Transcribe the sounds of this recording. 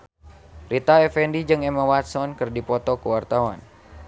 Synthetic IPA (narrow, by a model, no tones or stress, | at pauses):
rit̪aɛfɛndid͡ʒɨŋɛmawat̪sɔnkɨrdipɔt̪ɔkəwart̪awa̰n